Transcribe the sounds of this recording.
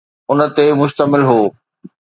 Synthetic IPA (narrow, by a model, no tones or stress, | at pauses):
ʊnə̆t̪emʊʃt̪əmɪlɦoː